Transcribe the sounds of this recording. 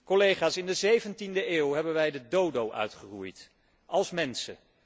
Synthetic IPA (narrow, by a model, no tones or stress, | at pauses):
kɔlejχaːsɪndəzejvəntindəʔeːwɦɛbənʋɛjdədowdowʔœ̰ɥtχərujt | ʔɑlˠsmɛnsə